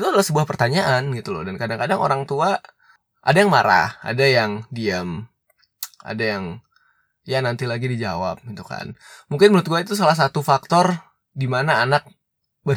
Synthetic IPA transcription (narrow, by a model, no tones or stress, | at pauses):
t̪uadalahsəbuahpərt̪aɲaʔanɡit̪ulɔ̰dankadaŋkadaŋo̰ɾaŋt̪ua | ʔa̰dajaŋmaɾa̰ha̰dajaŋdiam | a̰dajaŋ | janant̪ilaɡidid͡ʒa̰wa̰p̚ɡit̪uka̰nmuŋkɪnməlʊt̪̚ɡuait̪us̬alahs̬at̪ufak̚t̪ɔr | dimanaːnak̚ | bə